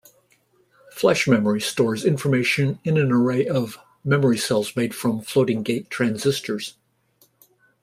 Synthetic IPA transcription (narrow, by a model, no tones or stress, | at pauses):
flɛʃmɛmə˞istɔɹzɪ̃ɱfə˞meɪʃɨ̃nɨ̃nɨ̃nə˞eɪʔʌv | mɛmə˞isɛlˠzmeɪd̥fɹʌ̃ɱfloʊɾɪ̃ŋɡeɪtʰɹ̥æ̃nzɪstə˞z̥